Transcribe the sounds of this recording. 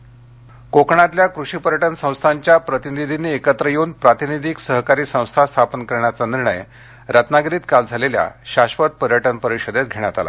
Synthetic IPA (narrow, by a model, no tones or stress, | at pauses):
kokɳat̪ljakɾuɕiːpəɾjəʈənsə̃w̃st̪ʰaɲt͡ɕjapɾət̪inid̪ʱiniekət̪ɾəjeunpɾat̪inid̪ʱiksəɦkaɾiːsə̃w̃st̪ʰast̪ʰapənkəɾɳjat͡saniɾɳə̰j | ɾat̪naɡɾiːt̪kald͡zʱalelja̰ɕaɕʋət̪̚pəɾjəʈənpəɾiɕəd̪et̪ɡʱeɽ̃jat̪ala̰